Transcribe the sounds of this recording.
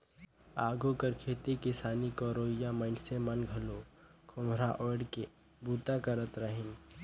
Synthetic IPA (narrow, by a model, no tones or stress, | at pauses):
aːɡukəɾkʰeːt̪ikɪsaːnikɔːɾoːɪjamənsemɐnɡʱɐlokʰʊmɾaʔɔːɽke | buːt̪akɐɾət̪ɾəɦɪn